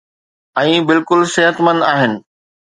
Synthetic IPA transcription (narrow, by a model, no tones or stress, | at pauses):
ɛ̃ːbɪlkʊlseɦət̪mɐ̃naːɦɪnɪ̆